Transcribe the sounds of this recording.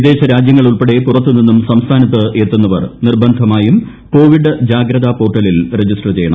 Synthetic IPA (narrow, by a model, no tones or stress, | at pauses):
id̪e̞ːɕɐɾaːd͡ʑjɐŋːɐɭuɭpeɽe̞purɐt̪ːɨninːumsɐmst̪ʰaːnɐt̪ːɨʔe̞ːt̪ːunːɐʋɐrnirbɐnd̪ʱɐmaːjum | ko̞ːʋiɖɨd͡ʑaːɡɾɐðapo̞ːʈːɐlilred͡ʑisʈɐrt͡ɕe̞jɐɳɐ̰